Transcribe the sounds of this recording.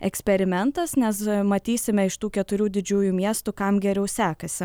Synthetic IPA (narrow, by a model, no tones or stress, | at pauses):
ɛ̰ksʲpʲɛɾʲɪmʲɛnt̪ɐsnʲɛsmɐt̪ʲiːsʲɪmʲɛɪʃt̪uːkʲɛt̪ʊɾʲuːd̪ʲɪd͡ʒʲuːjuːmʲiɛst̪ukɐmɡʲɛɾʲɛʊsʲæːkɐsʲɪ